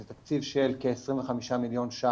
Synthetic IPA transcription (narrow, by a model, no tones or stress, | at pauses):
et̪akt͡sivʃelkeːsʁimveχamiʃamiljo̞nʃa